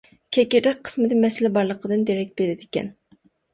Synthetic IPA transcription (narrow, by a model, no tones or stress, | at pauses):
kʲʰɛkʲɪɾd̪ɛk̚ʲqʰə̥smɨd̪ɪmɛsɪlɪbɑɾlˠəqʰəd̪ɨnd̪eɾɛk̚ʲbeɾɪd̪ɪkʲɛ̰n